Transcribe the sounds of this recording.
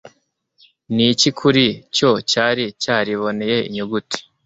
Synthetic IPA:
nicikʰuɾico̞caːɾicaːɾiβo̞neje̞ḭɲuɡuti̥

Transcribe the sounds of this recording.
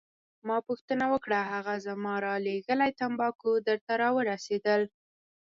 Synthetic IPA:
mɑpuxt̪ənawəkɽaɦaɣazəmɑɾɑleɣəlajt̪ambɑkod̪əɾt̪aɾɑwəɾased̪əl

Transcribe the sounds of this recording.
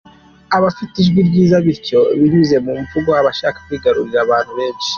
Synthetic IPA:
aβafitiʒɡwiɾɟiːzaβiɾco̞βiɲuze̞mumvuɡohaβaʃaːkḁkiːɡaɾuɾiɾaβaːn̥huβe̞ːnʃi̥

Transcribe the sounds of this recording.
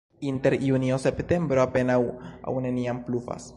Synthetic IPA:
inte̞ɾjuniosept̪e̞mbɾoape̞nawa̰wneniamplufa̰s

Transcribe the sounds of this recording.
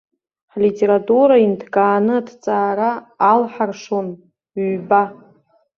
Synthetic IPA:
ħlitʼe̞ɾatʼuɾaindʰɡʼaːnɨadt͡sʼaːɾaːlħarʂon | ɥba

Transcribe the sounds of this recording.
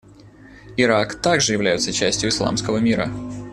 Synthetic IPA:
ɪɾakt̪aɡʐɨjɪvlʲæjɪt̪sət͡ɕæsʲtʲjʊislˠa̰mskəvəmʲiɾə̰

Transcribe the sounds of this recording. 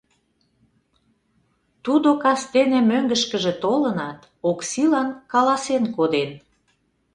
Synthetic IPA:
t̪ud̪okɑst̪enĕmøŋɡəʃkə̆ʒĕt̪olənɑt̪ | oksilɑnkɑlɑsenkod̪en

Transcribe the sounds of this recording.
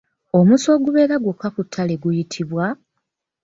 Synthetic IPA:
o̞muso̞ːɡuβe̞ːɾaɡwukakutʰːale̞ɡujitʰiβwa

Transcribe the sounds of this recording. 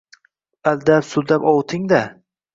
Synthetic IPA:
ald̪apsʊld̪apɒwt̪ʰɪŋd̪a

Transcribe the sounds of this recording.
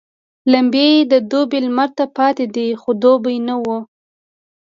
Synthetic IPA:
lambjed̪əd̪obelmaɾt̪apɑt̪ed̪ixod̪obajnawu

